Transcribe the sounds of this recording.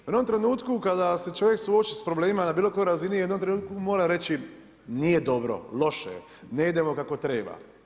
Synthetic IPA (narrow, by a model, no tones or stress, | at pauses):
jed̪omt̪ɾe̞nuːt̪kukad̪ase̞t͡ʃo̞ʋjeksuot͡ʃispɾobleːmimanabiːlo̞ko̞joɾazinijed̪o̞mt̪ɾe̞nuːt̪̚kumo̞ːɾaɾe̞t͡ɕi | nije̞d̪o̞bɾo̞̰lo̞ʃe | ne̞id̪e̞mo̞kako̞t̪ɾe̞ːba̰